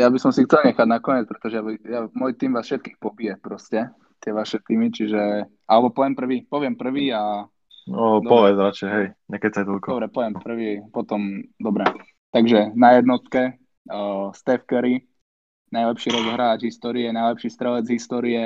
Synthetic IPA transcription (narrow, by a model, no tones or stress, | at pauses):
jabisɔmsixtt͡sɛlɲɛxaɟnakɔɲɛt͡spɾɛt̪ɔʒɛjabijamɔjt̪iːmʋaːsfʃɛt̪̚kiːxpɔbijɛpɾɔscɛ | t̪ɪɛʋaʃɛt̪iːmit͡ʃiʒɛ | ʔalɛbɔpɔʋɪjɛmpr̩ʋiːpɔʋɪɛmpr̩ʋiːa | d̪pɔʋɛd͡zɾat͡ʃɛjɦɛjɲɛkɛsajt̪ɔlkɔɔbɾɛpɔʋɪɛmpr̩ʋipɔt̪ɔmd̪ɔbɾɛ | t̪aɡʒɛnajɛd̪nɔt̪kɛ | əst̪ɛfkɛɾi | najlɛpʃiːɾɔzɔɦɾaːɟɦist̪ɔːɾiɛnajlɛpʃiːst̪ɾɛlɛd͡zɦist̪ɔːɾiɛ